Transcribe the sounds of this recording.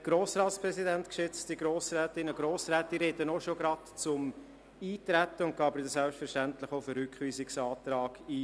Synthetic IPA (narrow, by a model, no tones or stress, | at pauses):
ɡ̥ɾoːsɾɑːtspɾɛsidɛntkʃʏt͡stiɡɾoːsɾɛːtɪnəɡɾoːsɾɛːtːirɾɛdənoʃoɡɾɑtt͡sʊm | iːtɾɛt̪ːəʊnt̚ɡ̥ɑːbɪd̪əsɛlpʃtfɛɾʃtæntlɪχoʊfəɾhʏkχʋiːsɪksɑːtɾɑːɡ̥iː